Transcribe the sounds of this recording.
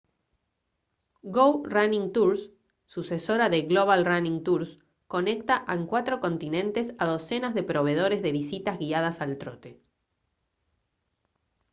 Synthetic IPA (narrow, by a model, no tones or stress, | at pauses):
ɡowranĩŋt̪uɾsː | useso̞ɾaðeɣlo̞β̞alranĩŋt̪uɾs | ko̞ne̞kt̪aʔeŋkwat̪ɾoko̞nt̪inẽ̞nt̪e̞saðo̞se̞nazðepɾo̞βe̞ð̞o̞ɾezðe̞βisit̪azɣiað̞asalt̪ɾot̪e